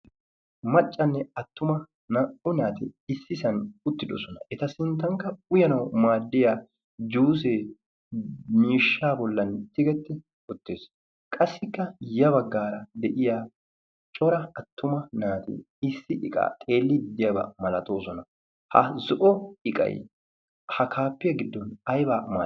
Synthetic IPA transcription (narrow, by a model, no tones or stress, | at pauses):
mɐt͡ʃʼːɐnːɛɐt̪ːʊmɐ | ʊnaːt̪ɪɪsːɪsɐnʊt̪ːɪd̪ɔ̰sɔnɐʔɛt̪ɐsɪnt̪ːɐŋkːɐʊjɐnɐwmaːd̪ːɪjaː | d͡ʒuːs̬eː | miːʃːaːbɔlːɐnt̪ːɪɡɛt̪ːɪ | ʊt̪ːeːs | kʼɐsɪkːɐjɐbɐɡːaːɾɐd̪ɛʔɪja | t͡ʃʼɔɾɐɐt̪ːʊmɐnaːt̪ɪ̰ | ɪsːɪʔɪ̰kʼa̰ːt̪ʼeːlːɪd̪ɪjɐbɐ̰mɐlɐt̪ʼoːsɔnɐ | hɐ̰zɔʔɔɪkʼɐ̰j | hɐkʰaːpːɪjɐɡɪd̪ːɔnɐjbaːma̰ː